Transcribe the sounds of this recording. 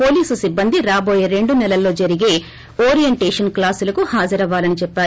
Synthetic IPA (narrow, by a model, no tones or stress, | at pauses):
po̞ːliːsusibːɐnd̪iɾaːboːjɐɾe̞ɳɖunɛlɐlːo̞ːd͡ʒɐɾiɡe̞ː | oːɾijeɳʈeːʂɐnklaːsulɐkuhaːd͡ʒɐɾɐʋaːlɐnit͡ʃɛpːaːɾu